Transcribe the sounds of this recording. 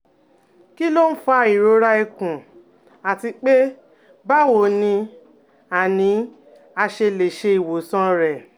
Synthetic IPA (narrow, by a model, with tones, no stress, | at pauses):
ki˦lo˦n̩˦fa˧i˨ɾo˨˦ɾa˧i˨kũ˨ | a˨ti˧k͡pe˦ | ba˦wo˨nĩ˧ | a˨nĩ˨˦ | a˧ʃe˧le˨ʃe˧i˨wo˨sɔ̃˧ɾɛ˨